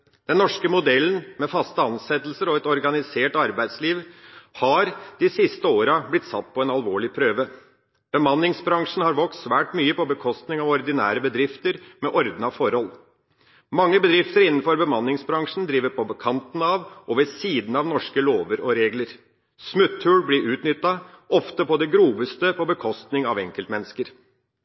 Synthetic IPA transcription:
d̪̥ɛnːɔʂkəmʊd̪ɛlːənmɛfɑst̪əɑnsɛt̪lsəɾɔɛt̪ɔɾɡɑnɪseːʈɑɾbæɪd̪sliːʋhɑɾd̪̥ɪsɪst̪əoːɾəblɪt̪ːsɑ̰t̪ːpʰɔɛnɑlʋoːɭɪpʰɾøːʋə | b̥əmɑnːɪŋsbɾɑŋʂn̩hɑɾʋɔkssʋæːʈmyːəpɔbəkʰɔst̪nɪŋɑʋɔɾd̪ɪnæ̰ːɾəbəd̪ɾɪft̪əɾmɛʔɔɾd̪n̩ɑʋfɔɾhɔl | mɑŋːəbəd̪ɾɪft̪əɾɪnːn̩fɔɾbəmɑnːɪŋsbɾɑŋʂn̩d̪ɾiːʋəɾpʰɔbəkʰɑnt̪ən̩ɑʋʔɔʋɛsiːd̪n̩ɑʋnɔʂkəloːʋəɾɔɾeːɡləɾ | smʉt̪ʰːʉːɽblɪɾʔʉːt̪nʏt̪ːɑ | ɔft̪əpɔd̪ɛɡɾuːʋəst̪əpɔbəkʰɔst̪nɪŋɑʋɛŋkəlt̪mɛnːəskəɾ

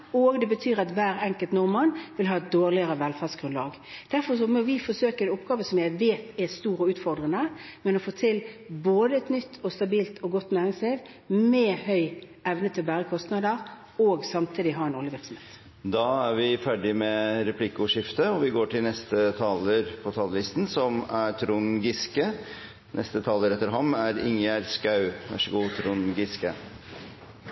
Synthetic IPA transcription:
oɡd̪ɛbət̪ʰyːɾʁɑt̪ʋæːɾɛŋkəlt̪nɔɾmɑnʋɪlɦɑːɛt̪̚d̪oːʁlɪəɾəʋɛlfæːsɡ̥ʁʉnlɑːɡ | d̪̥æɾfɔʂɔmɔʋɪfɔsøːkəɛnʊpɡɑːʋəsɔmjæɪʋeːt̪ɛst̪uːɾəʉːt̪fɔɾd̪ʁənəmɛnɔfoːt̪ʰɪlboːd̪əɛt̪nʏt̪ʰːɔst̪ɑbiːlt̪ʰɔɡɔt̪ːnæːɾɪŋsliːʋ | mɛhœʏ | ɛʋnət̪ʰɪlbæːɾəkʰɔst̪nɑd̪əɾ | oːɡsɑmt̪ʰiːd̪ɪɦɑɾɛnoːlɪʋɪɾksɔm̩hḛt̪ | d̪ɑæɾʋɪfæɖɪmɛɾɛpʰlɪkːʊʂɪft̪əɔʋɪɡoːʈʰɪlnɛst̪ət̪ʰɑːləɾpʰɔt̪ʰɑllɪst̪n̩sɔmæt̪ʰɾuːnɡɪskə | nʔɛ̰st̪ət̪ʰɑːləɾɛt̪ːəɾɦɑmːæɾɪ̰ŋjæɾskɑʉʋɑ̰ʂəɡuːt̪ʰɾuːnɡɪskə

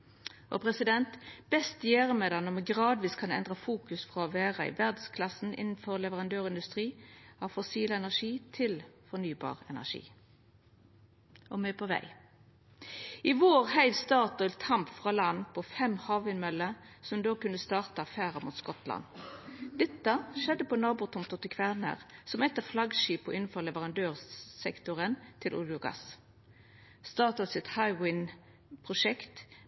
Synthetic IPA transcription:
ʔɔ̰pʰʁɛsɪd̪ɛnt̪b̥ɛst̪jæːʁəmɛd̪ɑnɔmɛɡʁɑːd̪ʋiːskʰɑnɛ̰nd̪ʁəfuːkʉsfʁɑɔʋæːʁəɪ̰ʋæʁd̪skʰlɑsn̩ʔɪ̰nn̩fɔʁlɛʋəʁɑnd̪øːʁɪnd̪ʉst̪ʁiːɑʋfɔsiːləɛnæʁʂiːt̪ʰɪlfɔʁnyːbɑ̰ːʁɛ̰næ̰ʂḭː | ʔɔmɛpʰɔʋæ̰ɪ | ɪʋoːʁhæɪʋst̪ɑːʁt̪ɔlt̪ʰɑmpfʁɑlɑnpʰɔfɛmhɑːʋɪnmœlə | sɔmd̪oːkʉnəst̪ɑːʁt̪əɑfæːʁɑmuːt̪skɔt̪lɑ̰nd̪̥ɛt̪ːəʃɛd̪ːəpɔnɑːbʊːt̪ʰʊmt̪ɔt̪ɪkʰʋæʁnə̰ʁsɔmɛt̪ːəflɑɡʃiːpɔɪnn̩fɔʁlɛʋəʁɑnd̪øːʁsɛkt̪ʊʁənt̪ʰɪlʔʊ̰ljʊɡɑ̰s | st̪ɑːʁt̪ɑt̪sɪt̪hɑɪwɪn | pʰʁʊʃɛkt̪

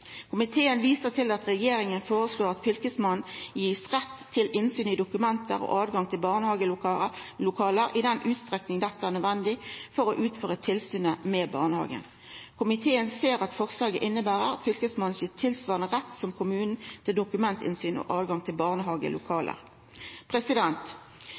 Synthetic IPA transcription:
kʰʊmɪt̪ʰeːənʋiːsəʁt̪ʰɪlɑt̪ʁɛjeːɾɪŋənfoːʁəsloːʁɑt̪fʏlkəsmɑnn̩jiːsʁɛt̪ʰːɪlʔɪnsyːnɪd̪ʊkʉmɛnt̪əʁɔ̰ːʔɑːdɡɑŋt̪ʰɪlbɑʁnhɑɡə | lʊkʰɑːləɾɪd̪ɛnʔʉːt̪st̪ʁɛknɪŋd̪ɛt̪ːəæːʁnœd̪ʋɛnd̪ɪfɔʁɔʔʉːt̪føːʁət̪ʰɪlsyːnəmɛbɑ̰ːʁnəhɑ̰ːɡə̰n | kʰʊmɪt̪ʰeːənseːɾɑt̪fɔʁslɑːɡəʔɪnːəbæːʁəʁɑ̰t̪fʏlkəsmɑn̩siːt̪ʰɪlsʋɑːʁnəʁɛt̪ːsɔmkʰʊmʉːnn̩t̪ʰɪld̪ʊkʉmɛnt̪ʰɪ̰nsyːnɔ̰ʔɑːʋɡɑŋt̪ʰɪlbɑːʁnəɦɑːɡə̰lʊkʰɑːlə̰ʁ | pʰʁɛsɪd̪ɛnt̪

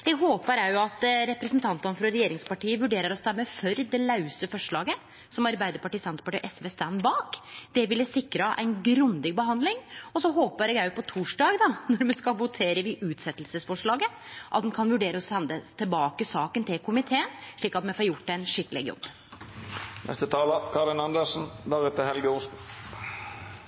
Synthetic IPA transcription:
jɛɡɦoːpəɾæɾjʊɑt̪ɾɛpɾəsənt̪ʰɑnt̪ənfɾɔɾɛjeːɾɪŋspɑʈiːəʋʉɖeːɾəɾɔst̪ɛmːəfœɾd̪ɛlɑʉsəfɔʂɭɑːɡə | sɔmɑɾbæɪd̪əɾpɑʈiːsɛnt̪ə̥pɑʈiːʔɛsʋeːst̪ænbɑːkd̪̥ɛʋɪlːəsɪkːɾəʔæ̰ɪnɡɾʉnd̪ɪɡ̚bəhɑnd̪lɪŋɔsɔɦoːpəɾɛɡjæjʊpʰɔt̪ʰuːʂɖɑːɡd̪ɑnɔɾmɛskɑʋʊt̪ʰeːɾəʋɪʔʉːt̪sɛt̪ːəlsəsfɔʂɭɑːɡə | ʔɑt̪̚d̪ɛnkʰɑnʋʉɖeːɾəɔsɛnd̪ət̪ʰɪlbɑːkəsɑːkənt̪ʰɪlkʰʊmɪt̪ʰeːənʂɭiːkɑt̪mɛfɑɾjʊʈ̪ːɛnʂɪkːəlɪ̰ɡjɔ̰bː | nɛ̰st̪ət̪ʰɑːləkʰɑɾɪnɑnd̪əʂn̩d̪æʁɛt̪əhɛlɡəʊsn̩

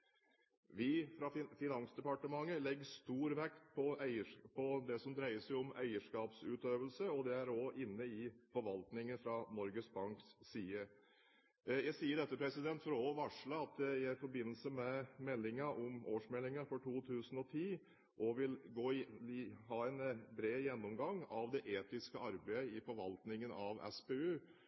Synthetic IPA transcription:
ʋɪfɾɑfɪnɑnsd̪ɛpɑʈəmɑŋːəlɛɡːəʂt̪uːɾʋɛkt̪pʰɔæɪəpʰɔd̪ɛsɔmd̪ɾæɪəsɛɪɔmæ̰ɪəʂkɑːpsʉːt̪øːʋəlsəɔd̪ɛæɾoːʔɪnːəɪfɔɾʋɑlt̪nɪŋənfɾɑnɔɾɡəsbɑŋkssiːə | jæɪsiːəɖ̪ɛt̪ːəpʰɾɛsɪd̪ɛnt̪fɔɾoʋɑʂɭəɑt̪̚d̪ɛɪæɪfɔɾbɪnːəl̩səmɛmɛlːɪŋəʔɔmʔoːʂmɛlːɪŋəɾfɔʈʰuːt̪ʰʉːsən̩ɔt̪ʰiː | ʔɔʋɪlɡoː | ɦɑːɛnbɾeːjɛnːɔmɡɑŋɑʋd̪ɛʔeːt̪ɪskəɑɾbæɪɪfɔɾʋɑlt̪nɪŋənɑʋɛ̰speːʉː

